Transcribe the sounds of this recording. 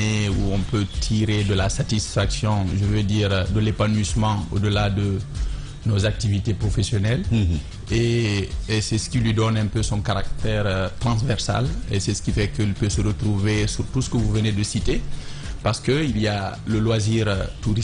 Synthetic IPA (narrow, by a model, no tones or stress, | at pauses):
euɔ̃pøt̪ʰiʁed̪əlasat̪isfaksjɔ̃ʒəvød̪iːʁd̪əlepanɥismɑ̃o̰d̪əlad̪ə | nozak̚t̪ivit̪epʁɔfesjɔnɛl | eː | sɛsə̥kʲilɥid̪ɔnɛ̃pøsɔ̃kaʁak̚t̪ɛʁt̪ʁɑ̃s̬vɛʁsa̰lesɛsə̥kʲifɛkəilpøsəʁət̪ɾuvesyʁt̪usə̥kəvuvəned̪əsit̪e | paʁsə̥kəilialəlwaziʁt̪uʁi